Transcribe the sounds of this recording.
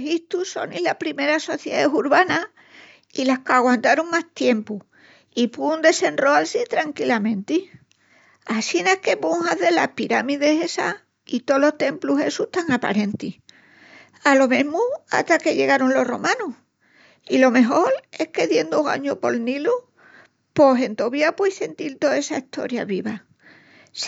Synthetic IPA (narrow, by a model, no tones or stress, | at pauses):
hit̪uso̞̰nilahpɾimeɾaso̞θjeaesuɾβana | ilahkaɣwant̪aɾuŋmaht̪je̞mpu | ipund̪e̞se̞nroalsit̪ɾaŋkilamẽ̞nt̪i | asinahke̞puŋhaðe̞lahpiɾamiðe̞se̞sa̰ | it̪olo̞ht̪e̞mpluɦe̞sut̪aŋapa̰ɾẽ̞nt̪i | alo̞mẽmua̰t̪akeʎe̞ɣaɾonlo̞ro̞̰mãnuh | ilo̞me̞ɦo̞ɾe̞hke̞ðje̞nd̪oɣa̰ɲopo̞lnilu | po̞se̞nt̪oβiapweise̞nt̪ilt̪o̞e̞saiht̪o̞̰ɾja̰βiβa